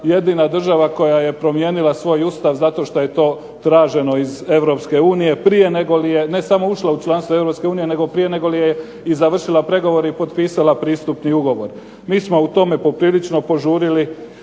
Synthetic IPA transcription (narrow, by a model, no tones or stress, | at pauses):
je̞d̪inad̪r̩ʒaʋako̞jaje̞pɾo̞mje̞ːnilasʋo̞ːjust̪aʋzat̪o̞ʃt̪o̞je̞t̪o̞ː | t̪ɾaːʒe̞no̞ize̞ʋɾo̞pske̞uːnije̞pɾije̞ne̞ɡo̞lije̞ne̞samo̞uʃlaut͡ʃlˠanst̪ʋoe̞vɾo̞pske̞uːnije̞ne̞ɡo̞pɾije̞ne̞ɡo̞lije | izaʋr̩ʃilˠapɾe̞ɡo̞ʋo̞ɾeipo̞t̪piːsalapɾiːst̪upniuɡo̞ʋo̞ɾ | miːsmo̞ut̪o̞me̞po̞pɾiːlit͡ʃno̞po̞ʒuːɾili